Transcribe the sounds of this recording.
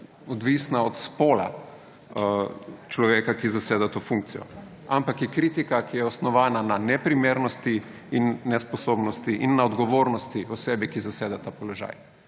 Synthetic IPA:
ɔd̪ʋisnaɔt̪spoːla̰ | t͡ʃlɔʋeːkakizaseːd̪at̪oːfuŋk̚t̪sijɔ̰ | ampakjɛkɾiːt̪ikakijɛɔsnɔʋaːnananɛpɾimeːɾnɔst̪i | inːɛspɔsoːbnɔst̪iʔinːaɔd̪ɡɔʋoːɾnɔst̪iɔsebikizaseːd̪at̪aːpɔlɔʒa̰ːj

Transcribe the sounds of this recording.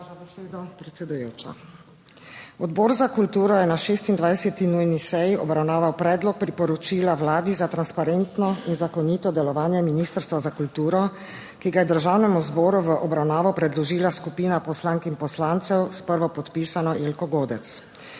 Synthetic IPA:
zabɛseːd̪ɔpɾɛt̪sɛd̪ujoːt͡ʃa̰ | ɔd̪bɔːɾzakult̪uːɾɔjɛnaʃeːst̪ind̪ʋajsɛt̪inujnisɛjiʔɔbɾawnaːʋawpɾɛːd̪lɔk̚pɾipɔɾɔt͡ʃiːlawlaːd̪izat̪ɾanspaɾent̪nɔinzakɔnit̪ɔd̪ɛlɔʋaːnjɛminist̪əɾst̪ʋazakult̪uːɾɔ | kiɡajɛd̪əɾʒaːwnɛmuzbɔːɾuʋəʔɔbɾawnaːʋɔpɾɛd̪lɔʒiːlaskupiːnapɔslaŋkinpɔslaːnt̪sɛwspəɾʋɔpɔt̪piːsanɔʔelkɔɡoːd̪ɛt̪s

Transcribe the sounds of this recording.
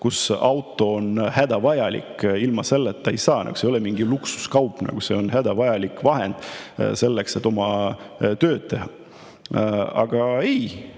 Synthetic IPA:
kusɑwt̪ːˑo̞onhæd̪̥ɑvɑjɑlḭkːilmɑse̞lːet̪ːˑejsɑːnʔɑ̰ɡu̥sejolemiŋɡiluksu̥skɑwpˑnɑ̰ɡ̥use̞o̞nhæd̪̥ɑvɑjɑlikvɑɦe̞nd̪̥se̞lːekse̞t̪ːˑomɑt̪ø̞ːd̪̥̚t̪e̞ɦɑ | ɑ̰ɡ̥ɑej

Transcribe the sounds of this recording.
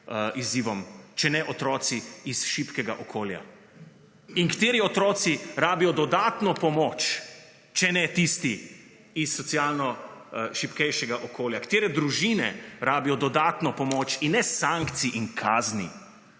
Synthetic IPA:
iziːʋɔmt͡ʃɛnɛʔɔt̪ɾɔːsiisʃipkɛɡaʔɔkʰoːlja̰ | iŋkt̪eːɾiɔt̪ɾɔːt̪siɾaːbijɔd̪ɔd̪aːt̪nɔpɔmoːt͡ʃ | t͡ʃɛnɛt̪ist̪i | isːɔt̪siaːlnɔʃipkɛjʃɛɡaʔɔkoːljakt̪eːɾɛd̪ɾuʒiːnɛ̰ɾaːbijɔd̪ɔd̪aːt̪nɔpɔmoːt͡ʃinːɛsãŋkt̪siʔiŋkʰaːznḭ

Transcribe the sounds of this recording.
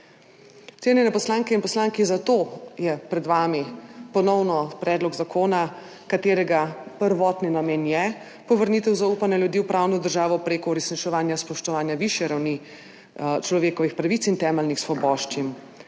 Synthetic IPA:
t̪seːnjɛnɛpɔslaːŋkɛinpɔslaːŋkizat̪ojɛpɾɛd̪ʋaːmipɔnɔwnɔpɾɛːd̪lɔɡzakʰoːna | kat̪eːɾɛɡapəɾʋɔːt̪ninameːnjɛ | pɔʋəɾniːt̪ɛwzauːpanɛljud̪iːwpɾawnɔd̪əɾʒaːʋɔpɾeːkɔuɾɛsnit͡ʃɛʋaːnjaspɔʃt̪ɔʋaːnjaʋiʃjɛɾawni | t͡ʃlɔʋeːkɔʋixpɾaʋit̪sint̪ɛːmɛlnixsʋɔbɔːʃt͡ʃim

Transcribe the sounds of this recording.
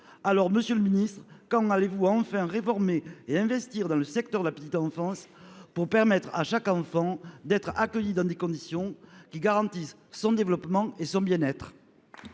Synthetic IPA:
alɔʁməsjøləminist̪χkɑ̃alevuɑ̃fɛ̃ʁefɔʁmeːɛ̃vɛst̪iʁd̪ɑ̃ləsɛk̚t̪œʁd̪əlapə̥t̪it̪ɑ̃fɑ̃spuʁpɛʁmɛt̪χa̰ʃakɑ̃fɑ̃d̪ɛt̪χakœjid̪ɑ̃d̪ekɔ̃d̪isjɔ̃kʲiɡaʁɑ̃t̪isː | ɔ̃d̪evəlɔpmɑ̃esɔ̃bjɛ̃nɛt̪χ

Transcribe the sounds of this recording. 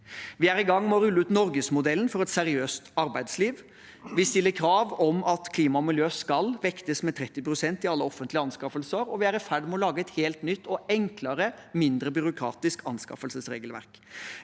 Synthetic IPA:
ʋɪæɾɪɡɑŋːmɔɾʉlːəʉːt̪nɔɾɡəsmʊd̪ɛlːən̩fɔɾɛt̪sɛɾɪøːst̪ɑɾbæɪd̪sliːʋ | ʋɪst̪ɪlːəɾkʰɾɑːʋɔmɑt̪kʰliːmɑmɪljøːskɑlʋɛkt̪əsmɛt̪ʰɾɛt̪ːɪpɾʊsɛnt̪ɪɑlːəɔfənt̪lɪɑnskɑfəlsəɾɔʋɪæɾɪfæɖmɛɔlɑːɡəɛt̪heːlt̪nʏt̪ːɔɛŋklɑɾəmɪnd̪ɾəbʏɾʊkʰɾɑ̰ːt̪ɪskʰɑnskɑ̰fəlsəsɾḛːɡəlʋæ̰ɾk

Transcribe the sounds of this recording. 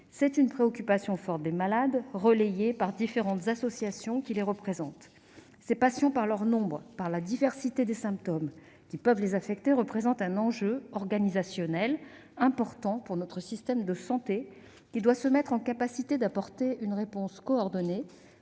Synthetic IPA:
sɛt̪ynpχeɔkʲypasjɔ̃fɔʁt̪̚d̪emalad̪ʁəlejepaʁd̪ifeʁɑ̃t̪zasɔsjasjɔ̃kʲileʁəpχezɑ̃t̪ | sepasjɔ̃paʁlœʁnɔ̃bʁpaʁlad̪ivɛʁsit̪ed̪esɛ̃p̚t̪ɔm | kʲipœvlezafɛkt̪eʁəpχezɑ̃t̪ɛ̃nɑ̃ʒøɔʁɡanizasjɔnɛl | ɛ̃pɔʁt̪ɑ̃puʁnɔt̪χəsist̪ɛmd̪əsɑ̃t̪e | kʲid̪wasəmɛt̪χɑ̃kapasit̪ed̪apɔʁt̪eynʁepɔ̃skɔɔʁd̪ɔne

